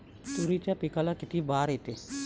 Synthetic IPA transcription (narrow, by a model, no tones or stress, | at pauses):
t̪uɾiːt͡ʃapikalakɪt̪ibaːɾet̪e